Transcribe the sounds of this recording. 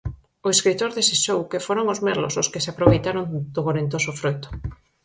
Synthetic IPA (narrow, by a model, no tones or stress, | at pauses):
ʊeskɾit̪oɾðesiʃowkefoɾoŋʊzmɛɾlo̰soskɪseapɾoβejt̪aɾoŋd̪oɣoɾent̪osʊfɾojt̪ʊ̥